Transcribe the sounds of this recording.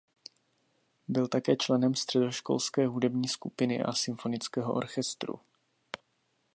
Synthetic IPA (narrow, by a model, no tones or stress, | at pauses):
bɪlt̪akɛːt͡ʃlɛnɛmst̪r̝̥ɛdo̞ʃko̞̰lskɛːɦudɛbɲiːskupɪnɪ̰ʔa̰sɪmfo̞nɪt͡skɛːɦoʔo̰ɾxɛst̪ɾṵ